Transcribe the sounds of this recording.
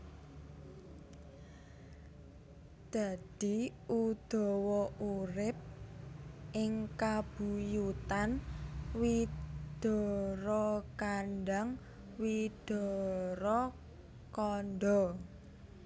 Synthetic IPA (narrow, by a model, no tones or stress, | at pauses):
d̪̥a̤d̪̥i̤ud̪̥ɔ̤wɔʔuɾɪp̚ | ʔɪŋkab̥ṳjut̪anwid̪̥ɔ̤ɾɔkanɖaŋ | wid̪̥ɔ̤ɾɔ | kɔnɖ̪ɔ